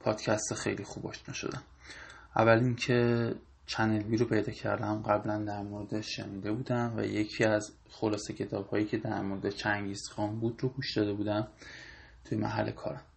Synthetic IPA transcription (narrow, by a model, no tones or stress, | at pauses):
pʰɒːd̪̥cʰæst̪xejlixuːbɒ̰ʃt̪næʃo̰d̪æm | ʔævːælincʰe̞ | t͡ʃʰæne̞lviːɾopʰe̞jd̪ɒːcʰæ̰ɾd̪æmɢæblænd̪æɾmoɾed̪eʃe̞̰niːd̪e̞buːd̪æmvæ̰je̞cʰiːæz | xo̞lɒːse̞cʰe̞t̪ʰɒːb̥hɒːjiːcʰe̞d̪æɾmoɾed̪et͡ʃʰæŋɟisxɒnbuːd̪roɡuʃd̪ɒːd̪e̞buːd̪æm | t̪ʰujemæ̰ɦæ̰lːḛkʰɒ̰ːɾæm